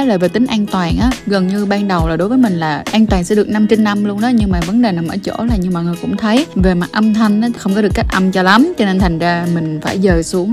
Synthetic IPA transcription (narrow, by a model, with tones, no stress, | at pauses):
ləː˨˩ve˨˩t̪ï˨˦ŋ̟ʔaː˧nt̪waː˨˩nʔaː˨˦ɣə˨˩nɲɨ˧ɓaː˧nɗə˨˩wlaː˨˩ɗo˨˦jvəː˨˦mï˨˩ŋ̟laː˨˩ʔaː˧ŋt̪waː˨˩ŋsɛ̰˧˥ɗɨ˨˩ək̚na˧mt͡ɕe˧nːa˧mlu˧ənɗɔ˨˦ɲɨ˧ŋmaː˨˩və˨˦nɗe˨˩na˨˩mʔə̰ː˧˩t͡ɕo̰˧˩laː˨˩ɲɨ˧ŋmaː˨˩ŋɨ˨˩jkʊ̰˧˥ŋ͡mt̪ʰə˨˦jve˨˩ma˨˩ʔə˧mt̪ʰa˧jŋna˨˦xə˧wŋ͡mkɔ˨˦ɗɨ˨˩əkːa˦˥k̚ʔə˧mt͡ɕɔ˧la˨˦mt͡ɕɔ˧ne˧nt̪ʰa˨˩jŋ̟zaː˧mï˨˩ŋ̟faː˧˩jzəː˨˩su˨˦əŋ